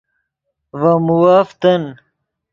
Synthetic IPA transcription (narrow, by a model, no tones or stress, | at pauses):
vɐmuwaːft̪ɐn